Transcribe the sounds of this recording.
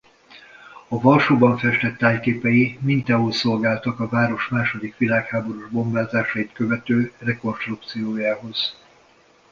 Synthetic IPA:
ɒvɒlʃoːbɒɱfɛʃt̪ɛt̪ːaːjkeːpɛjimint̪ɛɦolso̞lɡaːlt̪ɒkɒvaːɾo̞ʃmaːʃo̞d̪ikʋilaːkhaːbo̞ɾuʒbo̞mbaːzaːʃɒit̪kø̞vɛt̪øːrɛko̞nʃt̪ruk̚t̪sijoːjaːɦo̞z̥

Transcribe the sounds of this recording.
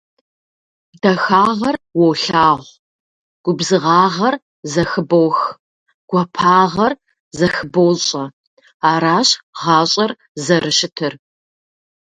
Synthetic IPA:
dɐxaːʁɐrwɔwɬaːʁʷ | ɡ̥ʷʊbzɨʁɑːʁɐr | zɐxɨbowx | ɡ̥ʷɐpʰaːʁɐr | zɐxɨbowɕʼɐ | aːɾaːɕʁɑːɕʼɐr | zɐrɨʃɪtʰɨr

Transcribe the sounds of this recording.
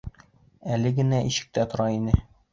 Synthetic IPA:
ælɘɡɘ̆næʔiɕɘ̥̆k̚t̪æt̪ŏɾɑinɘ

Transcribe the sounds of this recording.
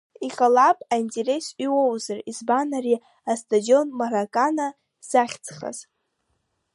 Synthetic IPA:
iqʼalapʼaintʼe̞ɾe̞siwowzarizbanaɾi | astʰʼadio̞nmaɾakʼana | zaχʲt͡sχa̰z̥

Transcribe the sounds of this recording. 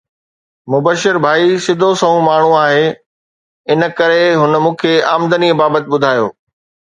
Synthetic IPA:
mʊbəʃɪɾbʱaːisɪd̪ʱosɐɦũmaːɳ̤ũaːɦeː | ɪnə̆kɐɾeɦʊnəmũːkʰeːaːmd̪ənibaːbət̪ɪ̆ɓʊd̪ʱaːjo̰ː

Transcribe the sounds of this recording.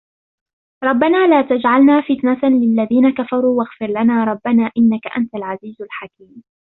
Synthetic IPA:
ɾˤɑbːanaːlaːt̪ad͡ʒʕalnaːfɪt̪nat̪anlɪlːaðiːnakafɑɾˤuːwaɣfɪɾlanaːɾˤɑbːanaːʔɪnːakaʔa̰nt̪alʕaziːzalħakiːm

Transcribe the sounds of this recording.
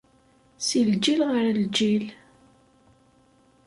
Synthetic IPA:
sild͡ʒilʁəɾəld͡ʒil

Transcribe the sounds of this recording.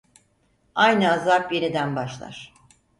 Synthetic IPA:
ajnɯazapje̞nid̪ænbaʃlˠa̰ɾ̥

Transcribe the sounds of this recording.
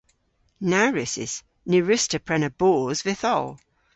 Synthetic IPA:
naɹɪsɪ̰s | nɪɹɪstəpʰɹɛnəb̥ɔːzvɪθɔ̰lˠ

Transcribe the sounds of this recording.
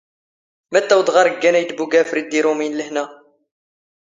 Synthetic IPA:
mæt̪ːæwd̪ʁɑɾəɡːænæjt̪buɡæfɾid̪ːiɾuminləhnæ

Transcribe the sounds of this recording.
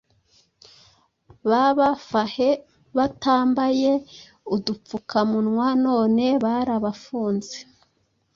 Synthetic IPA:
βaβafahe | βataːmbaje̞ | udup͡fukʰamunŋwano̞ːne̞βaɾaβafuːnze

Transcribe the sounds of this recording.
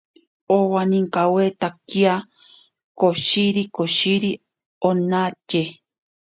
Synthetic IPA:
owaniŋkawet̪akia | koʃiɾikoʃiɾi | onat͡ʃe

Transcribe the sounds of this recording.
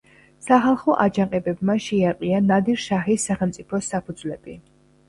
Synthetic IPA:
saχalˠχɔʔad͡ʒaqʼɛbɛbmaʃɛaqʼianad̪iɾʃaχisːaχɛlˠmt̪sʼipʰɔsapʰud̪zlɛb̥i

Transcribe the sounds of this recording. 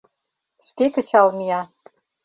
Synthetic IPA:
ʃkekə̆t͡ɕɑlmijɑ

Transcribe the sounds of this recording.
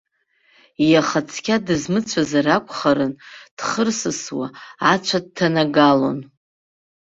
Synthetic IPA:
ijaχat͡sʰkʲʰʼadɨzmɨt͡ɕʷʰazarakʷʰʼχaɾɨnd̥χərsɨswa̰at͡ʃʷʰad̚tʰanaɡalo̞̰n

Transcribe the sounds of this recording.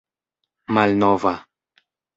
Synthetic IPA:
malnɔva

